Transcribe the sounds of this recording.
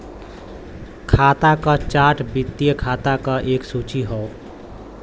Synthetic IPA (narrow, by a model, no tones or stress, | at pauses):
kʰat̪akət͡ʃaʈʰbit̪ːijəkʰat̪akʌʔeksut͡ʃiɦɔ